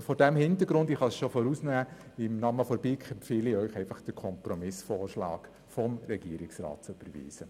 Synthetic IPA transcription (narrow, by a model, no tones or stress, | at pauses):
fɔːɾdæmhɪntəɾɡɾʊndiχɑsʃofɔɾusnæːɪmnɑːməfɔɾbikχɛmfiːliœʏχɛɪfɑχd̥əɾkʰɔmpɾɔmɪsfoːrʃlɑ̰ːk | fɔmɾɛɡ̥iəɾɪksrɑ̰ːt̚t͡søb̥əɾvḭːsə